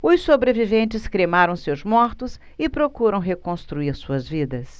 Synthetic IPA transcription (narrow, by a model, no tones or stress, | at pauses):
ʊsobɾevivẽnt͡ʃɪskɾemaɾɐ̃w̃sewzmɔɾt̪ʊs | ɪpɾokuɾɐ̃w̃ɦekõst̪ɾuiɾsuɐzvid̪ɐs